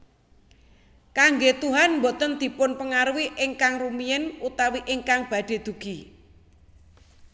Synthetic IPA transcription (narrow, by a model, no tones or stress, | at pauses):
kaŋɡet̪uɦanmbot̪ənd̪̥i̤pʊnpəŋaɾwiʔɪŋkaŋrumijɛnut̪awiʔɪŋkaŋb̥ä̤ɖ̥e̤d̪̥ṳɡ̥i̤